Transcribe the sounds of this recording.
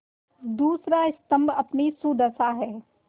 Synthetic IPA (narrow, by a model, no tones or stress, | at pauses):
d̪uːsɾaɪst̪ə̃mbɐpnisuːd̪əsaɦɛː